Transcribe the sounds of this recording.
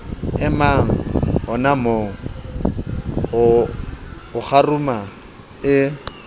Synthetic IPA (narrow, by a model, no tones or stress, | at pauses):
ɛmaŋ̩ɦʊnamoːŋ̩ | ʊ | ʊχaruma | ɪ